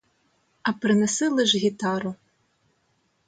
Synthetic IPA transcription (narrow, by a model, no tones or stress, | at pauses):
ɐpɾɪnesɪlˠɪʒɣʲit̪ɑɾʊ